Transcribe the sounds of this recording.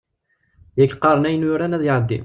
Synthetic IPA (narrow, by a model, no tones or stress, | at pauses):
jækːqːɑɾˤənæjənjʊɾænæðjʕəd̪ːḭm